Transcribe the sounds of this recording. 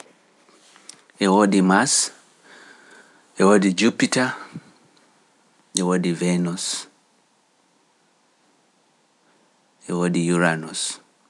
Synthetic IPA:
eodimas | ewodid͡ʒupita | ewodivenus | ewodijuɾanus

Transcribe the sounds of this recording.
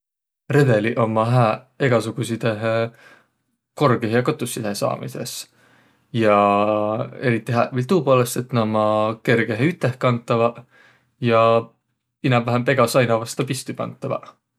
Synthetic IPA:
re̞be̞liʔo̞mɑɦæː | e̞ɡ̥ɑsuɡ̥usid̪eɦ | ko̞rɡeɦjɑkot̪ˑːusːid̪esɑ̰ːmḭse̞̰s | jɑ | e̞ɾit̪ːˑiɦæːvilt̪uːpoːlest̪et̪nomɑke̞rɡ̥eɦeyt̪ːˑehkɑnt̪ːˑɑvɑ | jɑ | inɑmvæɦempe̞ɡ̥ɑsɑjnɑvɑst̪ɑpist̪upɑ̰nt̪ːˑɑvɑ̰

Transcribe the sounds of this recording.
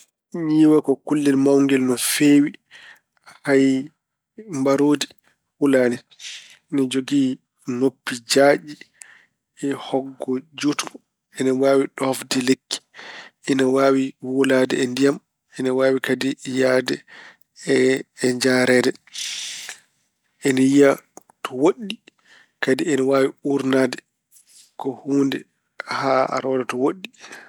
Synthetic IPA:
ɲiːwakɔkulːɛlmawŋɡɛlnɔfeːwi | haj | mbaɾoːdi | wulaːnɛ | nad͡ʒoɡiː | nopːid͡ʒaːɗi | ɛhɔɡːɔd͡ʒutmɔ | ɛnawaːwiɗɔafdilekːi̥ɛnawawiwoladɛɛndijam | ɛnawaːwikadijadɛ | ɛːɲd͡ʒaɾɛːdɛ | ɛnajija | tɔwoɗːi | kadiɛnawaːwiuɾnadɛ | kɔhuːndɛ | haa̰ɾɔdɛtɔwoɗːi

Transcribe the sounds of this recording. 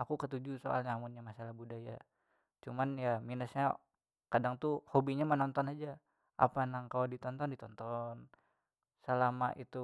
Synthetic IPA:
akukət̪ud͡ʒusoa̰lɲaːmunɲamasalahbudaja̰ | t͡ʃumanjaminəsɲa | kadaŋt̪uhobiɲamənɔnt̪ɔnad͡ʒa | ʔa̰panaŋkaladit̪ɔnt̪ɔndit̪ɔnt̪ɔn | səlama̰ʔit̪u

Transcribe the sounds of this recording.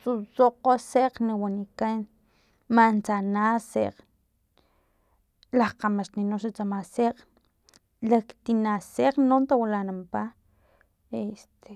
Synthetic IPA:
susoʔqoseʔqniwanikan | mant͡sanaseʔq | lahqamaʃt̪ninoʃat͡samaseq | lakt̪inaseqnont̪awalanampa | est̪e

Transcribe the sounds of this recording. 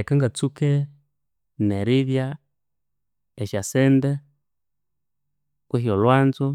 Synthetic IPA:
ɛkaŋɡat͡sukɛ | nɛɾiðja | ɛʃasɛndɛ | kwɛɦiɔlwand͡zɔ

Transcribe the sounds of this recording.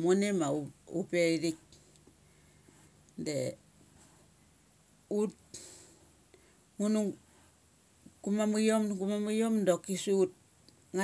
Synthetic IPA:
monemaupeɾiɾik̚ | de | ut̚ | ŋunu | kumamujomkumamujomdokisuut̚ | ŋa

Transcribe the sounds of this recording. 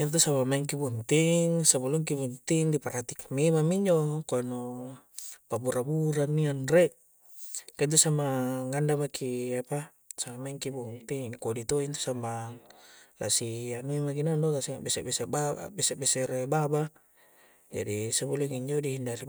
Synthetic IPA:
int̪̬usamamaiŋkibunt̪iŋsabuluŋkibunt̪iŋdipaɾat̪ikḁmimamiɲd͡ʒokuano | pabuɾabuɾanːianreʔ | kant̪usamaŋandamakʰiapa | samamaiŋkibunt̪iŋkodit̪oint̪u̥sama | la̰sianuimakinandokasiŋaʔbesebesebaa̰besebeseɾebaba | d͡ʒa̰disabuluŋiɲd͡ʒodihindaɾi

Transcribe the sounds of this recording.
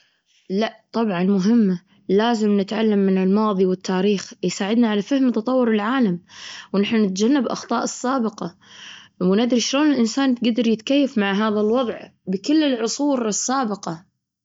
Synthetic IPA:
laʔt̪ˤɑbʕɑnmʊɦɪmːa | laːzɪmnɪt̪ʕalːamːɪnɪlmɑːðˤiwɪt̪ʰːaːɾiːxjsaːʕɪd̪naʕalafahmt̪ɑt̪ˤɑwːʊɾɪlʕaːlamwnaħnanɪt̪d͡ʒanːabʔɑ̰xt̪ˤɑːʔɨsːaːbɪqɑ | wnad̪ɾiʃloːnɪlʔɪnsaːnɡad̪ɑɾjɪt̪kajːafmaʕɦaːðalwɑðˤʕbɪkɪlːɪlʕʊsˤuːɾɪsːaːbɪqɑ

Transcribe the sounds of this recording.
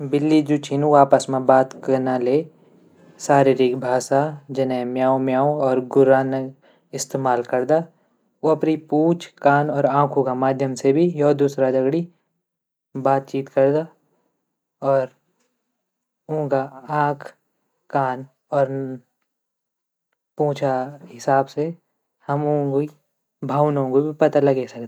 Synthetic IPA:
bɪlːid͡ʒut͡ʃʰinũaːpəsmẽbaːt̪kəɾnaleː | saːɾiɾikbʱaːʃad͡ʒɐnẽmjaːõmjaːõɔːɾɡʊɾaːnə | ɪst̪eːmaːlkɐɾd̪a | oɐpɾipuːt͡ʃʰkaːnɔːɾãːkʰũɡamaːd̪ʱjəmsebʱijɔːd̪uːsɾad͡ʒɐɡɽi | baːt̪̚t͡ʃiːt̪kɐɾd̪a | ɔːɾ | ũːɡaãːkʰ | kaːn | ɔːɾ | pũːt͡ʃʰaɦɪsaːbse | hɐmũːɡi | bʱaːʋnõɡobʱipɐt̪alɐɡesɐkd̪aa

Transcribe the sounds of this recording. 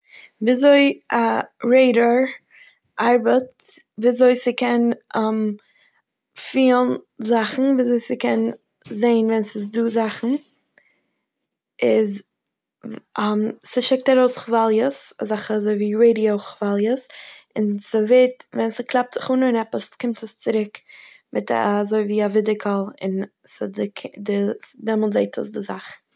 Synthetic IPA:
viːzoɪaɾeɪɾəɹ | ʔaɾbət | viːazoɪsɪkɛnʔam | fiːlˠnzaχn̩viːzoɪsɪkʰɛn | zeɪnvɛnsɪs̬duːzaχn̩ | ɪz | amsɪʃɛk̚taɾoʊsχvalˠjəsazaχəazoɪviːɾeɪdioʊχvalˠjəsɪnsəvetvɛnsəklˠap̚tz̥ɪχuːnəɪnɛpəskɪmtʰəst͡sɪɾɪk | mɪtzoɪviːavɪdɪkʰəlˠɪ̰nsɪdɪkʰdɪdɛmɔl̩ˠtzeɪtʰə̰sdɪzaχ

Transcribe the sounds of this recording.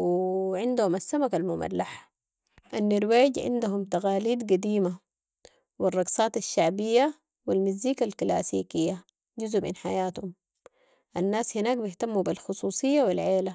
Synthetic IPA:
wiʕɪnd̪humasːamakalmʊma̰lːaħa | ʔanːɪɾwaːɟʕɪ̰nd̪uɦumt̪aɣaːliːd̪ɡad̪iːma | wirˤːɑɡsˤɑːt̪aʃːaʕbijːa | wilmizːiːkalkla̰ːsḭːkijːa | ɟuzʔmḭnħajaːt̪hum | ʔanːaːshinaːkbɪht̪amːubilxʊsˤuːsˤijːawilʕeːla

